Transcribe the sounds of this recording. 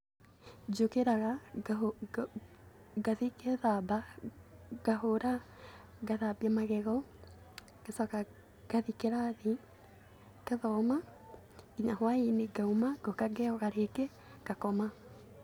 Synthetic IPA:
d͡ʒokeɾaɣa | ɡaðikɛðaba | ɡaɦoɾa | ɡaðabiamaɣɛɣɔ | kesaka | ɡ̥aðikeɾaði | kaðɔma | iɲaɦwaineɡaumaɡɔkaɡɛɔɣaɾekɛ | kakɔma

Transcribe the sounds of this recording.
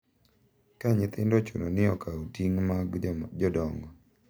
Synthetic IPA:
kaɲɪt̪ɪndɔt͡ʃṵnɔnɪɔkautiŋmaɡd͡ʒɔdɔŋɡɔ

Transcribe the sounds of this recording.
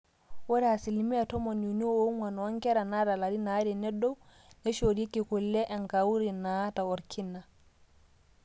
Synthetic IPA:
wɔɾɛasilmiatɔmɔnjunioumwanwaŋkɛɾanadalaɾinadɛnɛdɔw | nɛʃoɾikːikulːɛʔɛnkawuɾinataɔɾkʰinːa

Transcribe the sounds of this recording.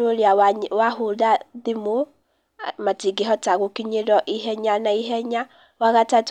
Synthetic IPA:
oɾiawahoðaðimo | matiɡeɦɔtaɣokiɲeɾɔʔiɦɛɲanaiɦɛɲa | waɣatat

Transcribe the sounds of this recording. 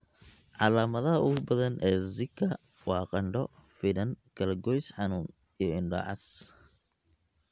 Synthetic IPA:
ʕɑlaːmɐðɐɦɐʊɣʊbɐðɐnʔɛːzɪkʰːɐ | wɑːqɑɳɖɔfɪðɐnkʰɐlɐɡɔjsħɑnuːŋ | ijɔɪnɖɐ̰ʕɑ̰s

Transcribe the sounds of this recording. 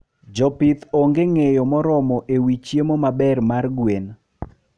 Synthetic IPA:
d͡ʒɔpit̪oŋɡeŋejɔmɔɾɔmɔʔewit͡ʃjemomabɛrmarɡwen

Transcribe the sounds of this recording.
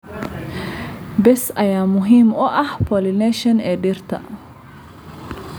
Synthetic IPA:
bɛsʔɐjaːmʊɦiːmʊʔɐhpʰɔlɪnɛʃɐnɛːɖirt̪ʰɐ̰

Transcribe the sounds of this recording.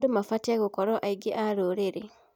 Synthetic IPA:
dumafatiaɣukɔɾɔʔaiɡeʔaɾoɾeɾe

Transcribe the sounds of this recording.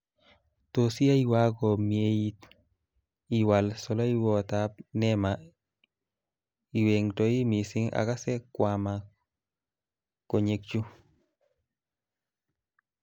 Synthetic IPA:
tosiaiwakɔmiejit | iwalsɔloiwɔtap̚nɛma | iweŋtoimisiŋa̰kasɛkwama | koɲek̚t͡ʃu

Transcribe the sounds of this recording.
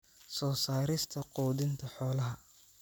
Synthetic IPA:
sɔːsaːɾɪst̪ʰɐqɔːðɪnt̪ʰɐħɔːlɐɦɐ

